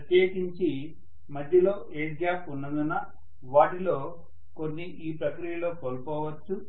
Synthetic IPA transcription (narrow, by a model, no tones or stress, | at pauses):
ɐt̪jeːkiɲt͡ʃi | mɐd̪ʱjɐlo̞ːʔeːɖɡjaːpunːɐnd̪unɐ | ʋaːʈilo̞ː | ko̞nːiʔiːpɾɐkɾijɐlo̞ːkoːlkɔːʋɐt͡ʃːu